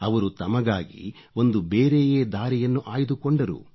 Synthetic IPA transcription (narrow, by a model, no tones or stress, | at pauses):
ɐʋɐɾut̪ɐmɐɡaːɡḭ | o̞nd̪ubeːɾejeːd̪aːɾijɐnːuʔaːjid̪ukoɳɖɐɾṵ